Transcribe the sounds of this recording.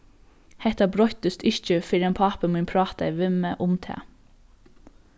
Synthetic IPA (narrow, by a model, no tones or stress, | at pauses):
hɛt̪ɑbɾɔt̪əst̪ʏʃt͡ʃəfɪɾɛːnpʰɑpəmiːnpʰɹɑːt̪ɑ̰ɛʋɪməʔʊmt̪ʰḛː